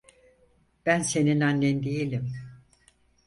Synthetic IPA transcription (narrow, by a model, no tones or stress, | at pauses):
b̥ænse̞ninanlend̪ijelʲim